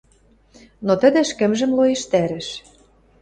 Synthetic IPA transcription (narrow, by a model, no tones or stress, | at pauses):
not̪ə̆d̪ĕʃkɘ̆mʒə̆mlojeʃt̪æɾɘ̆ʃ